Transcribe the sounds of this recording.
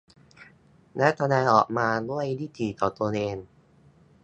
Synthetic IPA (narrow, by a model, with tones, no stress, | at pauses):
lɛ˦˥t̪ʰa˧naː˧ʔɔː˨˩k̚maː˧lu˥˩əjdiː˥˩t̪ʰiː˨˩t̪ɔː˨˩t̪u˧əneː˧n